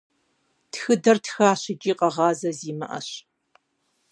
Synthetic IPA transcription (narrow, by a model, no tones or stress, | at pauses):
txɨdɐrtxaːɕɪd͡ʒʼiːqʼɐʁɑːzɐziːmɐ̰ʔɐ̰ɕ